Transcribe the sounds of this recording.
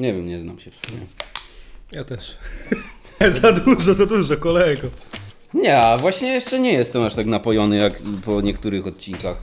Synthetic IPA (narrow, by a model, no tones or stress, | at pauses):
ɲɛvʲjɛmɲɛznamɕɛfsṵɲʲɛ̰ | jat̪ɛʂ | zad̪uʐɔzad̪uʐɔkɔlɛjɡɔ | ɲɛavwaɕɲɛjɛʂt͡ʂɛɲɛjɛst̪ɛmaʂt̪aknapɔjɔnɘjakpɔɲɛkt̪uɾɘxɔt̪̚t͡ɕinkax